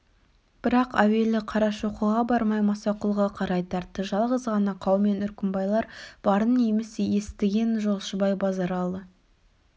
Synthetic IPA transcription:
b̥ɪɾɑqæwe̞lɪqʰɑɾɑʃoqəʁɑbɑɾmɑjmɑsɑqʊlˠʁɑqʰɑɾɑjt̪ʰɑɾt̪ːəʒɑlˠʁəzʁɑnɑqʰɑwme̞nʏɾkʲɪmbɑjlˠɑɾb̥ɑɾənejmɪsje̞st̪ɪɡʲe̞nʒo̞lˠʃəbɑjbɑzɑɾɑlˠd̪ə

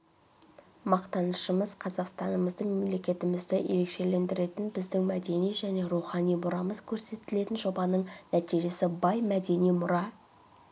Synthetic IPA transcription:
mɑqt̪ɑnəʃəməz̥qʰɑzɑqst̪ɑnəməzd̪əɴme̞mle̞kʲe̞t̪ɪmɪzd̪ɪje̞ɾe̞kʃe̞le̞nd̪ɪɾe̞t̪ɪnbɪzd̪ɪŋmæd̪e̞nijʒæne̞ɾuχɑnijmʊɾɑməzkʲʰɵɾse̞t̪ːɪle̞t̪ɪnʒo̞bɑnəɴnæt̪ijʒe̞sɪbɑjmæd̪e̞nijmʊɾɑ

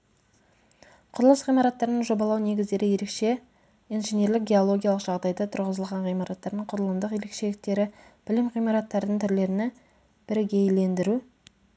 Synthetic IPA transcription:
qʰʊɾəlˠəsʁijmɑɾɑt̪ːɑɾənəɴʒo̞bɑlˠɑwne̞ɡʲɪzd̪e̞ɾɪje̞ɾe̞kʃe̞ | ijnʒenje̞ɾlɪk̚ɡʲe̞olˠo̞ɡʲijɑlˠəqʒ̥ɑʁd̪ɑjd̪ɑt̪ʰʊɾʁəzəlˠʁɑɴʁijmɑɾɑt̪ːɑɾd̪əɴqʰʊɾəlˠəmd̪əqje̞ɾe̞kʃe̞lɪk̚t̪e̞ɾɪb̥ɪlɪmʁijmɑɾɑt̪ːɑɾd̪əɴt̪ʰʏɾle̞ɾɪnɪ | b̥ɪɾɡʲejle̞nd̪ɪɾu

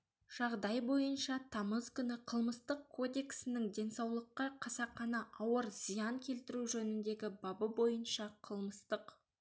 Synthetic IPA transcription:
ʒ̥ɑʁd̪ɑjbo̞jənʃɑt̪ʰɑməzkʲʰʏnɪqʰəlˠməst̪əqkʰːo̞d̪e̞ksɪnɪŋd̪e̞nsɑwlˠəqːɑqʰɑsɑqːɑnɑʔɑwəɾzijɑŋkʲʰe̞lt̪ɪɾuʒɵnɪnd̪e̞ɡʲɪbɑbəbo̞jənʃɑqʰəlˠməst̪əq

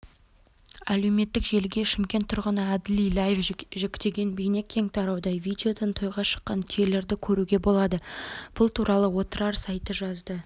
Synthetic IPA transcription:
æle̞wme̞t̪ːɪkʒe̞lɡʲe̞ʃɪmkʲe̞nt̪ʰʊɾʁənəæd̪ɪlijlˠajefʒekʲt̪e̞ɡʲe̞nbejne̞kʲʰːe̞ŋt̪ʰɑɾɑwd̪ɑjvʲijd̪ʲeo̞d̪ɑnt̪ʰo̞jʁɑʃə̥qːɑnt̪ʰele̞ɾd̪ɪkʲʰɵɾuɡʲe̞bo̞lˠɑd̪əb̥ʊlˠt̪ʰuɾɑlˠəwo̞t̪əɾɑɾsɑjt̪əʒɑzd̪ə

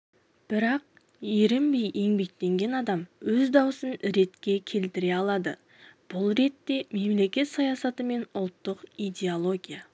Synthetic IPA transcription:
b̥ɪɾɑq̚ | eɾɪmbejʔe̞ŋbe̞k̚t̪e̞ŋɡʲe̞nɑd̪ɑmwɵzd̪ɑwəsənɾe̞t̪kʲe̞kʲʰe̞lt̪ɪɾe̞ɑlˠɑd̪ə | b̥ʊlˠɾe̞t̪ːe̞me̞mle̞kʲe̞t̪sɑjɑsɑt̪əme̞nʊlˠt̪ːəqijd̪ʲe̞olˠo̞ɡʲija

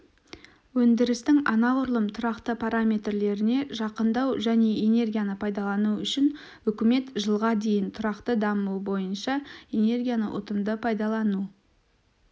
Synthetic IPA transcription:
wɵnd̪ɪɾɪst̪ɪŋɑnɑʁʊɾlˠəmt̪ʰʊɾɑqt̪əpʰaɾamʲe̞t̪rle̞ɾɪne̞ʒɑqənd̪ɑwʒæne̞ene̞rɡʲijanəpʰɑjd̪ɑlˠɑnuʏʃɪn | ʏkʲɪme̞t̪ʒəlˠʁɑd̪e̞jɪnt̪ʰʊɾɑqt̪əd̪ɑmubo̞jənʃɑe̞ne̞rɡʲijanə̰ʔʊ̰t̪əmd̪əpʰɑjd̪ɑlˠɑnu

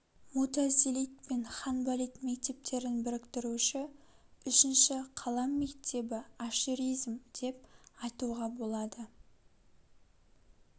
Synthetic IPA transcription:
mut̪azilit̪̚pe̞nχɑnbalijt̪mekt̪e̞p̚t̪ʰe̞ɾɪnbɪɾɪkt̪ɪɾuʃɪʏʃɪnʃɪqʰɑlˠɑmːekt̪ʰe̞bɪaʃiɾijzmd̪̥e̞p̚ɑjt̪uʁɑbo̞lˠɑd̪ə

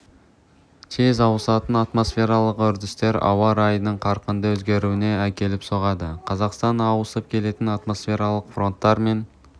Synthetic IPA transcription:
t̪ʰezɑwəsɑt̪ənɑt̪mo̞sfʲe̞ɾɑlˠəqʏɾd̪ɪst̪e̞ɾɑ̰wɑɾɑjnəɴqʰɑɾqənd̪əwɵzɡʲe̞ɾuwɪne̞ækʲe̞lɪpso̞ʁɑd̪əqʰɑzɑqst̪ɑnɑwəsəp̚kʲʰe̞le̞t̪ɪnɑt̪mo̞sfʲe̞ɾɑlˠəqfro̞nt̪ːɑɾme̞n

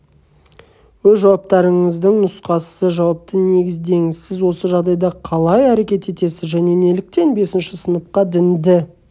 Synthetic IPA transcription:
wɵzʒɑwɑp̚t̪ɑɾəɴəzd̪əŋnʊsqɑsəʒɑwɑp̚t̪əne̞ɡʲɪzd̪e̞ŋɪzsɪzwo̞səʒɑʁd̪ɑjd̪ɑqʰɑlˠɑjæɾe̞kʲe̞t̪e̞t̪e̞sɪzʒæne̞ne̞lɪk̚t̪e̞nbe̞sɪnʃɪsənəp̚qɑd̪ɪnd̪ɪ

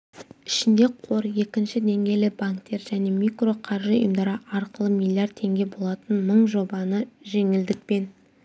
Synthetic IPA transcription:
ɪʃɪnd̪e̞qʰo̞ɾje̞kʲɪnʃɪd̪e̞ŋɡʲe̞jlɪbaŋkt̪e̞ɾʒæne̞mikro̞qʰɑɾʒəo̰jəmd̪ɑɾəɑɾqəlˠəmʲilʲˠːijard̪̚tʰe̞ŋɡʲe̞bo̞lˠɑt̪ənməɴʒo̞bɑnəʒe̞ŋɪld̪ɪk̚pe̞n

